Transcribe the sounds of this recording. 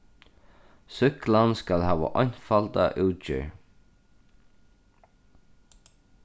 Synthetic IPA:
sʏklanskalɦæːʋa̰ʔɔɲ̥falt̪aʔʉːt͡ʃɪ̰ɹ

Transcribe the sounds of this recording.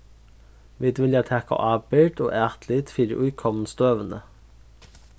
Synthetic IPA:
ʋɪːd̪ʋɪljæt̪ʰɛkɑ̰ʔɑːbɪʈo̰ːʔæːʁt̪ʰlɪt̪fiːd̪ɪ̰ʔʉːkʰɔmn̩st̪øːʋən̩ə

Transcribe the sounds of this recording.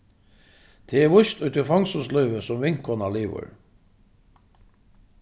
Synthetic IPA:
d̪̥ʰeːeːʋʊçt̪ʉt̪əfɑŋsɔslœʏʋəsɔmʋɪŋkʰɔnɑliːʋə̰ɹ

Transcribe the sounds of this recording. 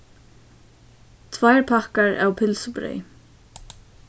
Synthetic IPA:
t̪ʰvajɹpʰahkaɹʔa̰wpʰɪlsʊbɾɛ̰j

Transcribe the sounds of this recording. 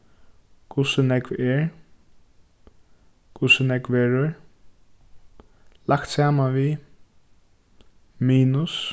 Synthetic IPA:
kʰʊsənɛkʋɛɹ | kʰʊsənɛkʋɛːɹəɹ | lakt̪saːmanʋi | miːnʊs

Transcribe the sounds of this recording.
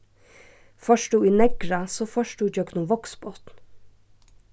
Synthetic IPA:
fœʃʈuːiːnɛɡɾɑsoːfœʃʈuːd͡ʒœknʊmʋɔksboːt̪n̩

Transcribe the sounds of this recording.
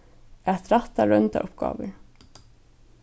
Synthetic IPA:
ɛt̪ɾat̪ːaɾœnt̪a̰ʔʊpɡ̥a̰ːʋəɾ

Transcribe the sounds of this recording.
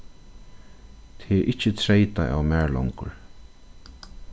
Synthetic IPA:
t̪ʰɪʔɪt͡ʃːət̪ʰɾejt̪aʔa̰wmæːɹlɔ̰ŋkʊ̰ɹ

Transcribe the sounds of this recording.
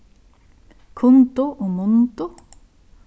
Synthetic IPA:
kʰʊnt̪ʊʔɔmʊnt̪ʊ

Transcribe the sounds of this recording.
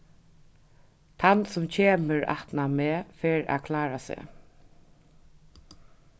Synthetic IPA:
t̪ʰansʊmcʰeːməɹa̰ht̪nameːfeːɹa̰kʰlaːɾasḛ

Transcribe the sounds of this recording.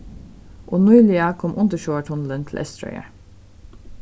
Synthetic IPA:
ʔoːnuʏliɑkʰɔmʔʊnt̪əʃoːəʈʰhɔnl̩ənt̪ʰl̩ʔɛst̪ɾœ̰ʏə̰

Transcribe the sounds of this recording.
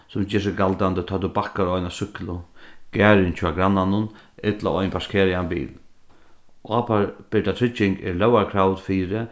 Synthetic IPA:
sʊmd͡ʒɛːʂ̬ɪɡalt̪and̪ət̪ʰɔːt̪ubakaɾɔjnasʏklʊɡ̥ɛːɾɪnt͡ʃʰaɡɾanːanʊnɪt̪la̰ʔɔjnpaskʰeːɾɪanbḭːl | ʔaːpʰaɹb̥ɪɖat̪ʰɪt͡ʃːɪŋɡɛ̰ɾlœwaɾkʰɾawt̪fiːɾɪ

